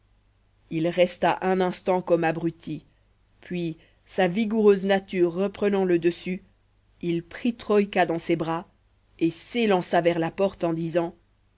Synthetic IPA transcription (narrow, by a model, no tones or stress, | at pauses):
ilʁɛst̪aʔɛ̃nɛ̃st̪ɑ̃kɔmabʁyt̪i | pɥi | saviɡuʁøznat̪yʁːəpχənɑ̃ləd̪əsy | ilpχit̪χɔjkad̪ɑ̃sebʁa | eselɑ̃savɛʁlapɔʁt̪ɑ̃d̪izɑ̃